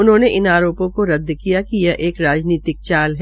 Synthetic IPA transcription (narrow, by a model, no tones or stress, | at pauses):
ʊnɦõːneʔɪnaːɾoːpõkoɾɐd̪ːkijakijɐʔeːkɾaːd͡ʒniːt̪ɪk̚t͡ʃaːlɦ